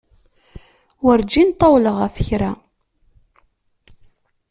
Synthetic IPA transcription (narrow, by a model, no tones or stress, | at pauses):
wəɾd͡ʒint̪ˤːɑwləʁæfə̥çɾæ